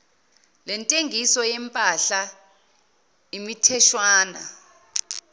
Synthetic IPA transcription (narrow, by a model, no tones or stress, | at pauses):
lɛntʼeŋʱisɔjɛmpʼaɬa | imitʰɛʃwaːna̰